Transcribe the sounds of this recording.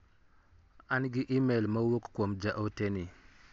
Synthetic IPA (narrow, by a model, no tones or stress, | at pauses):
anɡɪʔimelmɐwokkwomd͡ʒaʔoteni